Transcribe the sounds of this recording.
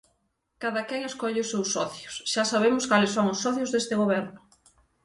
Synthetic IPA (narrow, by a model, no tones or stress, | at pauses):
kaðɐkɛŋeskɔʎɪʊsewsːɔθjʊsʃasaβemʊskalesoŋʊsːɔθjʊzðest̪ɪɣoβɛɾnʊ